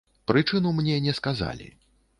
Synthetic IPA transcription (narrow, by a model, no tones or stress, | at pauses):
pɾɨt͡ʂɨnumnʲɛnʲɛskaza̰lʲḭ